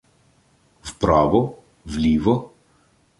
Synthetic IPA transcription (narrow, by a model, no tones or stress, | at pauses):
wpɾaːʋɔ | vlʲiːʋɔ